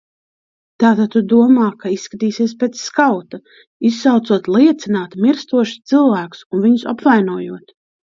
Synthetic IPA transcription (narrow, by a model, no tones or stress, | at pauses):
t̪aːt̪at̪̚t̪ːud̪uɔmaːkaisːkat̪iːsiɛs̬peːt̪sːkawt̪a | isːawt̪suɔt̪lˠiɛt̪sinaːt̪miɾst̪uɔʃst̪silˠvæːku̥sunviɲʊsa̰pvajnuɔjuɔt̪